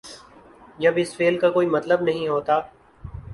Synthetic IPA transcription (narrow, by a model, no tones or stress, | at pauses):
d͡ʒɐbɪsfeːlkakoːiːmɐt̪ləbnɐɦĩɦoːt̪aː